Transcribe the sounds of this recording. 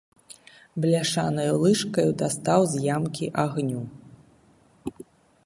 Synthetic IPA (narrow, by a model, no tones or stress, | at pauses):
blʲaʂanɐjulˠɨʂkɐjud̪ast̪awzʲjamkʲiʔaɣnʲu